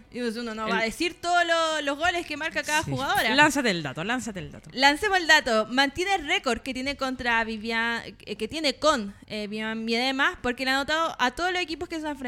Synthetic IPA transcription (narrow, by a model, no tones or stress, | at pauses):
us̬unonoβaðesiɾt̪oðololoɦɣo̞leske̞maɾkakaðaxuɣaðo̞ɾalansat̪eld̪a̰t̪olansat̪eːld̪a̰t̪olansemoeld̪at̪omant̪je̞nerekoɾket̪jenekont̪ɾaβiβjaket̪je̞ne̞koneβiambjeðemaspoɾkeleanot̪aðoʔat̪oðolosekipo̞skes̬onafɾ